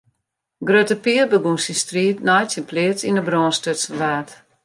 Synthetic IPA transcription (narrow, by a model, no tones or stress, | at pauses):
ɡrøtəpiərbəɡunsistriːtnɔjtsənplɪət͡sinəbrɔːnstøtsəʋaːt